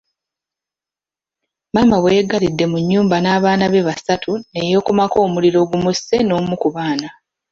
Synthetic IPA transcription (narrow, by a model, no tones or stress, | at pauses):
maːmaβwe̞ːɡalidːe̞muɲːuːmbanaːβaːnaβe̞βasatʰune̞jo̞ːkumako̞ːmuliɾo̞ːɡumuse̞no̞ːmukuβaːna